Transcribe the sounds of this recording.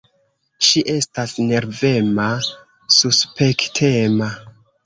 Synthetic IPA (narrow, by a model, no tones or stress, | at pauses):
ʃiʔe̞stasne̞ɾve̞ma | suspektʰema